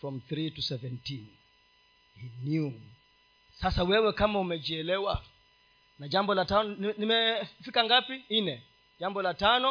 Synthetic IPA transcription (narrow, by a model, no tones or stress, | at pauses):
fɾɔmθɾitusɛvɛntin | hinju | sasawɛwɛkamaumɛd͡ʒiɛlɛwa | naʄambɔlatanɔnimɛfikaŋɡapin̩nɛ | d͡ʒambɔlatanɔ